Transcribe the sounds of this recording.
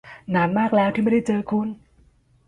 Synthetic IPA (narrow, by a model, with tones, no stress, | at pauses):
naː˩˦nmaː˥˩k̚lɛː˦˥wt̪ʰiː˥˩a˥˩da˥˩jt͡ɕɤː˧kʰu˧n